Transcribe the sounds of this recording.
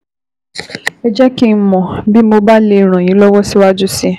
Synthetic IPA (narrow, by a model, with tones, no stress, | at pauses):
ɛ˦d͡ʒɛ˦ki˦˨m̩˦mɔ̃˨bi˦mo˧ba˦le˦˨ɾ̃ã˨j̃ĩ˨˦lɔ˦wɔ˦si˦wa˦d͡ʒu˦si˦